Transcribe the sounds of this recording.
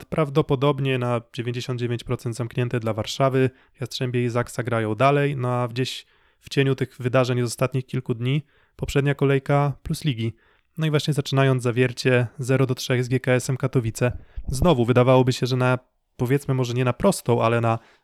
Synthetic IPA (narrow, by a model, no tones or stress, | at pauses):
pɾavd̪ɔpɔd̪ɔbɲɛnad͡ʑevʲjeɲd͡ʑeɕɔnd̪̚d͡ʑevʲeɲt͡ɕpɾɔt̪sɛnd̪zamkɲɛnt̪ɛd̪lavaɾʂavɘ | vʲjastʂɛmbʲɛizaksaɡɾajɔ̃w̃d̪alɛjnɔavd͡ʑeɕ | ft͡ɕeɲut̪ɘɣvɘd̪aʐɛɲzɔst̪at̪ɲixkʲilkud̪ɲi | pɔpʂɛd̪ɲakɔlɛjkapluslʲiɡʲi | nɔivwaɕɲɛzat͡ʂɘnajɔnd̪zzavʲjɛɾt͡ɕɛzɛɾɔd̪ɔtʂɛɣzɡʲjɛkaɛsɛmkat̪ɔvʲit̪sɛznɔvuvɘd̪avawɔbɘɕɛʐɛna | pɔvʲjɛt̪smɘmɔʐɛɲɛnapɾɔst̪ɔ̃w̃ʔa̰lɛna